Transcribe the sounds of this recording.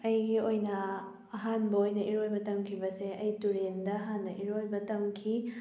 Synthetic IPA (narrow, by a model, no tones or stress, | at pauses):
ɐjɡiojnɐ | ɐɦanbɐojnɐʔiɾojbɐtɐmkʰibɐseɐjtuɾendɐːɦanːɐʔiɾojbɐtɐmkʰi